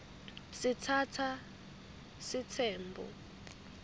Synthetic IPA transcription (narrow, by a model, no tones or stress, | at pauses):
sitʰatʰa | sitʰɛːmbʱɔ̰